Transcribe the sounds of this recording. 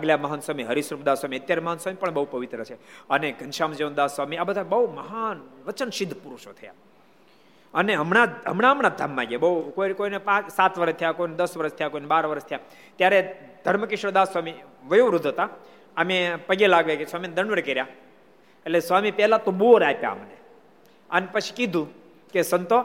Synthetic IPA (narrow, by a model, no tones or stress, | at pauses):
aɡljaməɦənswamiɦəɾisɾupd̪asʋamiət̪jaɾeməɦənswamipəɳbəɦupəʋit̪ɾət͡ʃʰeəneɡənʃamd͡ʒeʋõnd̪asʋamiabəd̪ʱabəɦuməɦanʋət͡ʃənʃɪd̪ʱːpuɾuʃot̪ʰəja̰ | əneɦəmɳaɦə̰mɳaəmɳad̪ʱamːãɡjabəɦukoikoinepãt͡ʃsat̪ʰʋəɾəʃt̪ʰəjakoined̪əsʋəɾəst̪ʰəjakoinebaɾʋəɾəst̪ʰəja | t̪jaɾed̪ʱəɾməkɪʃɾod̪asʋamiʋəjoɾud̪ʱət̪a | əmepəɡelaɡʋekesʋamined̪əɳʋəɽkeɾja | elesʋamipɛlat̪oɓoɾapja̰ə̰mne | ənepət͡ʃʰi̥kid̪ʱũ | kesənt̪o